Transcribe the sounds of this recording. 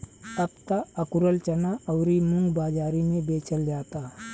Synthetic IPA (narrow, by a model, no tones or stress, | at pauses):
əb̚t̪aəkuɾəlt͡ʃɐnaəwɾimuŋɡbaːd͡ʒaːɾimẽbeːt͡ʃʰəld͡ʒaːt̪a